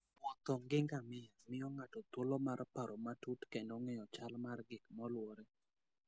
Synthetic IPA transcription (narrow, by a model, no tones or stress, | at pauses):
ɔt̪ɔŋɡɪŋɡamɪamɪɔŋatɔt̪wolɔmaɾpaɾɔmatutkendɔŋɛɔt͡ʃalmarɡɪkmɔlwɔɾɛ